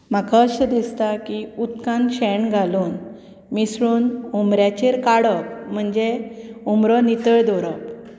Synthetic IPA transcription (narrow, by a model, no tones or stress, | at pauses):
m̤akʰaɕəd̪ist̪akiut̪kãnɕɛɳɡʱaluːn | misɾuːnumɾjat͡ɕeɾkaɽɔk̚m̤əɳd͡ʑeumɾɔnit̪əɭd̪ɔɾəp